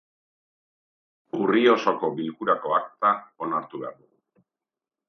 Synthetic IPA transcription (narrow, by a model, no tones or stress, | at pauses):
urio̞so̞ko̞βilkuɾako̞akt̪ao̞naɾt̪uβe̞a̰ɾðuɣu